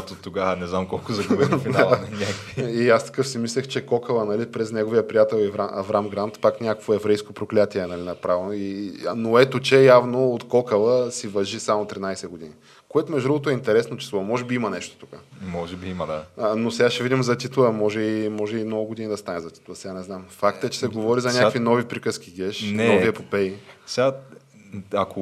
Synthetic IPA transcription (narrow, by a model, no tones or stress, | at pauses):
t̪ot̪ːoɡanɛznamkɔlˠkozɐɡvfialˠnʲakiiast̪ɐ̥kɤfsimislʲɛxt͡ʃɛkɔkəlˠənɐlipɾɛznɛɡoviəpɾijat̪ɛlˠɛvɾaʔɐvɾamɡɾant̪paknʲako̥kvoɛvɾɛjskopɾoklʲat̪iɛnɐlinɐpɾavnoinoɛt̪ot͡ʃɛjavnoːt̪kɔkɐlˠəsivɐʒisamot̪ɾʲinajsɛɡod̪ini | koɛt̪omɛʒd̪ɾuvot̪oɛint̪ɛɾɛsnot͡ʃɛ̥slˠɔmɔʒɛbiimɐnɛʃt̪o̥t̪ukəmɔʒɛbiimɐd̪a̰nosɛɡaʃɛvid̪imzɐt̪it̪lˠəmɔʒɛimɔʒɛimnɔɡʊɡod̪inid̪ɐst̪anɛzɐt̪i̥t̪lˠəsɛɡanɛznamfakt̪ɛt͡ʃɛ̥sɛɡovɔɾizɐnʲakvinɔvipɾikəsk̟iɡʲɛʃnɛnɔiɛpopɛisɛɡa | ako